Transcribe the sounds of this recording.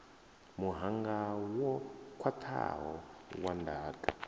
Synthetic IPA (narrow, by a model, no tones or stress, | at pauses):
muɦaŋɡawɔkʰwatʰa̰ɦɔwandʱaːkʼa